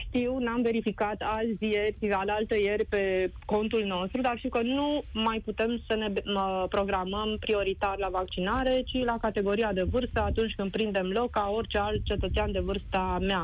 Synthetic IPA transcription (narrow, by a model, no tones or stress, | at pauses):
ʃt̪iwnamve̞ɾifikat̪alzʲjerʲalalt̪eje̞rʲpe̞ko̞nt̪ulno̞st̪ɾud̪arʃt̪iwkənumajput̪e̞msəne̞pɾo̞ɡɾaməmpɾio̞ɾit̪arlavak̚t͡ʃinaɾe̞t͡ʃilakat̪e̞ɡo̞ɾiad̪e̞vɨrst̪əat̪unt͡ʃʲkɨnd̪pɾind̪e̞mlo̞kkːao̞rʲt͡ʃe̞alt̪̚t͡ʃe̞t̪ət̪seand̪e̞vɨrst̪amea